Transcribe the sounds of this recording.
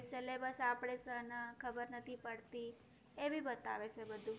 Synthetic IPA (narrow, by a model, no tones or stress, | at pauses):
selebəsapɽ̃esənəkʰəbəɾnət̪ʰipəɽt̪i | eʋibət̪a̰ʋet͡ʃʰebəd̪ʱũ